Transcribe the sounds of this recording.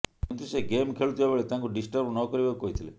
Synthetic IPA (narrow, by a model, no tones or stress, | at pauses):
nt̪iseɡemkʰeɭut̪iɦeʋeɭet̪ãŋkuɖisʈəɾbnɔkɔɾibaukɔit̪ʰilḛ